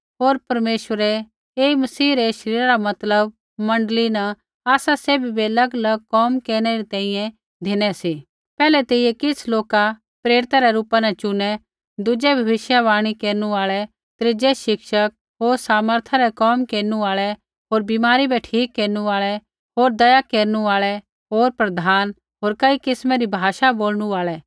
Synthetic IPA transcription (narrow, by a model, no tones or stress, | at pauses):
ɦoːɾpɐɾmeːʃʋəɾɛ | eːmɐsiːɾɛʃɐɾiːɾaɾamɐt̪ləb̚ | mɐ̃ɳɖəlina | aːsaseːbibiɐlɐɡəlɐɡ̚kɔːmkeːɽ̃ɛɾit̪ɛ̃ːĩjɛ̃ | d̪ʱɪñɛsi | pɛːlɛt̪eijɛkɪsloːka | pɾeːɾɪt̪aɾɛɾuːpanɐt͡ʃʊnɛ | d̪ʊd͡ʒɛbʱɐʋɪʃjaʋaːɽ̃ikeːɾnuaːɭɛ | t̪ɾɪd͡ʒɛʃɪkʃək̚ | ɦoːɾsaːməɾt̪ʰaɾɛkɔːmkeːɾnuaːɭɛ | ɦoːɾbimaːɾibɛʈʰiːkːeːɾnuaːɭɛ | ɦoːɾd̪ɐjakeːɾnuaːɭɛ | ɦoːɾpɾɐd̪ʱaːn | ɦoːɾkɐikɪsmɛɾibʱaːʃaboːlñuaːɭɛ